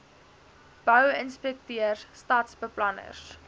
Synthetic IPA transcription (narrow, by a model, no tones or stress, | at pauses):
b̥œwənspɛk̚tiərstɐtsbəplɐnə̰rs